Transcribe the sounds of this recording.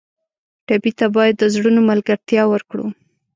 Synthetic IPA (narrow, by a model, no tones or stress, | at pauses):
ʈabit̪abɑjad̪ːəzɽunomalɡaɾt̪jɑwəɾkɽṵ